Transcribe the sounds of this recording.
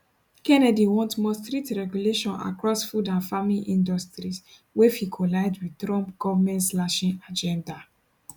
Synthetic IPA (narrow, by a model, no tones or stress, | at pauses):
kɛnɛdiwɔ̃ntmɔstɹitɹɛɡjuleʃɔ̃na̰kɹɔsfudãnfamliʔĩndɔstɹis | wefikʰɔlaɪdwitɹɔ̃mp̚ɡ̥ɔvamɛ̃ntlaʃĩnad͡ʒɛ̃nda